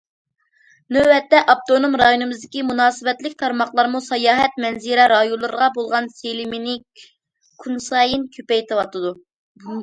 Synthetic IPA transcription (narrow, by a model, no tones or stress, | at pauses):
nøwɛt̪ːɛʔɑp̚t̪onomɾɑjonɨmɨzd̪ɪkʲimunɑːsɨbɛt̪lɪkʲt̪ʰɑɾmɑχlˠɑɾmusɑjɑːɦɛt̪mɛnziɾɛɾɑjolˠːɨɾʁɑbolˠʁɑnselɪmɪnɪ | kʰunsɑːjinkʲʰøpɛjt̪ʰɨwɑt̪ʰɨd̪u